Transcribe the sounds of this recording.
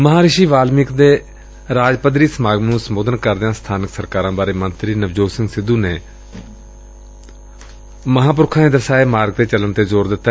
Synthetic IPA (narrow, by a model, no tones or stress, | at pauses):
məɦãːɾɪʃiːʋaːlmɪkd̪eː | ɾaːd͡ʒpəd̪ɾiːsəmaːɡnũːsəmoːd̪ənkəɾd̪eãːst̪ʰaːnɪksəɾkaːɾãːbaːɾeːmənt̪ɾiːnəʋd͡ʒoːsɪ̃ŋɡsɪd̪ũːneː | məɦãːp̬ʊɾkʰãːẽːd̪əɾsaːeːmaːɾɡ̚t̪eːt͡ʃələnt̪eːzoːɾd̪ɪt̪ːa